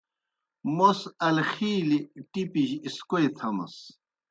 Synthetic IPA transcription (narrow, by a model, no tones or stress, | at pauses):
mosɐlxiːliʈipiʑiskojt̪ʰɐmɐ̰s